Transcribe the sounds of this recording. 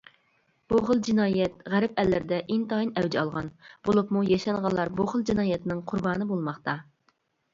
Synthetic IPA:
b̥oχəlˠd͡ʒinɑːjɛt̪̚ʁæɾɪpɛlːɪɾɪd̪ɛʔint̪ɑinɛwd͡ʒ̪ɛɑlˠʁɑnb̥olˠupmujɑʃɑnʁɑnlˠːɑɾboχəlˠd͡ʒinɑːjɛt̪nɪŋqʰʊɾbɑːnɨbolˠmɑχt̪ɑ

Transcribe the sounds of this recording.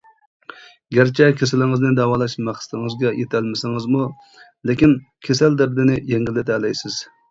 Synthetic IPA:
ɡʲæɾt͡ʃʰɛkʲʰesɪlɪŋɨznɪd̪ɛwɑːlˠɑʃmæχsɪ̥t̪ʰɪŋɨzɡʲɛjet̪ʰælmɪsɪŋɨzmu | lɪkʲin | kʲʰesæld̪ɛb̚d̪ɪnɪjeŋɡʲilːɪt̪ʰɛlɛjsɪz̥

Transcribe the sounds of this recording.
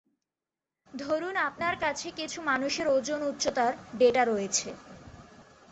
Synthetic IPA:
d̪ʱoɾunap̚naɾkat͡ɕʰekit͡ɕʰumanuʃeɾod͡ʑonut̪ːɕot̪aɾɖeʈaɾoet͡ɕʰe

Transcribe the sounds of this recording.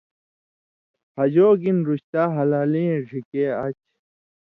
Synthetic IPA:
pʰɐd͡ʑoːɡinɾuɕt̪aːɦɐlaːlĩẽʐikeɐt͡ɕ

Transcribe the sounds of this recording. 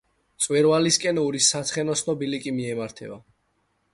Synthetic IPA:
t̪sʼwɛɾvaliskʼɛnuɾisːat̪sʰχɛnɔsʰnɔbilikʼimiɛmaɾt̪ʰɛba

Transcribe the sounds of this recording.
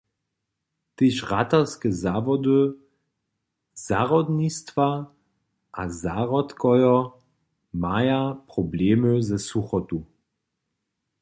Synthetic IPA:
t̪eʃʁat̪askɛzavɔd̪ɨ | z̥aʁɔd̪nist̪va | ʔazaʁɔt̪kɔjɔ | majapʁɔbleːməzɛsuxɔt̪u

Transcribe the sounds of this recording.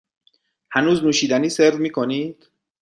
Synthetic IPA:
hænuːznuːʃiːd̪æniːseɾd̪miːkʰoniːd̪̥

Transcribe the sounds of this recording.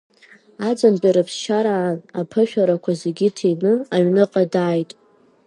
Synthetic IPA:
ad͡zanbʲʼaɾɨpʰsʃaɾaːnapʰɨʃᶣaɾakʷʰazeɡʲitʰenɨaɥnɨqʼadaːjtʼ

